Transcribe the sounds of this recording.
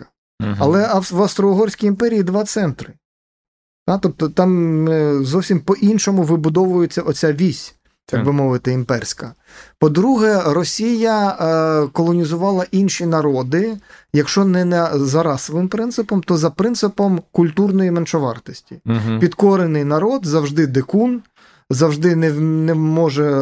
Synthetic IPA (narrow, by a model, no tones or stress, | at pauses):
ɐ | ɐlˠɛɐʋɐst̪ɾɔɔɦɔrʲsʲkʲijimpɛɾʲijid̪ʋɑt̪sɛnt̪ɾɪ | t̪at̪ɔp̚t̪ɔt̪ɑm | zɔwsʲimpɔʔinʃɔmʊʋɪbʊd̪ɔʋʊjet͡sʲːɐʔɔt͡sʲaʋʲisʲ | t̪ɑɡbɪmɔʋɪt̪ɪimpɛrʲsʲkɐ | pɔd̪ɾuɦɛrɔsʲijɐ | kɔlˠɔnʲizʊʋɑlˠɐʔinʃinɐɾɔd̪ɪjɐkʃt͡ʃɔnɛnɛzɐɾɑsɔʋɪmpɾɪnt̪sɪpɔmt̪ɔzɐpɾɪnt̪sɪpɔmkʊlʲt̪urnɔjimɛnʃɔʋɑ̰rt̪ɔsʲtʲipʲid̪kɔɾenɪjnɐɾɔd̪zɐwʒd̪ɪd̪ekun | zɐwʒd̪ɪnɛnɛmɔʒɛ